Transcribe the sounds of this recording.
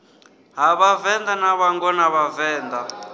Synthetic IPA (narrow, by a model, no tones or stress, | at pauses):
ɦaβavɛnd̪anaβaŋɡɔnaβavɛːnd̪a